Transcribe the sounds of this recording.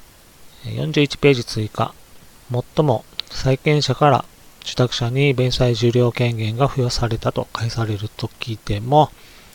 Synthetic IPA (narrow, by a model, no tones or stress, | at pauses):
ejõ̞ɲ̟d͡ʑɨːit͡ɕi̥pe̞ːd͡ʑit͡sɨika̰ | mo̞t̪ːo̞mo̞saikẽ̞ɰ̃ɕakaɾa̰ | d͡ʑ̥ɨ̥t̪akɯ̟̥ɕaɲ̟ibẽ̞ɰ̃saiʑɨːɾʲo̞ːkẽ̞ŋɡẽ̞ŋɡaɸɯ̟josaɾe̞t̪at̪o̞kaisaɾe̞ɾɯ̟t̪o̞kʲiːt̪e̞mo̞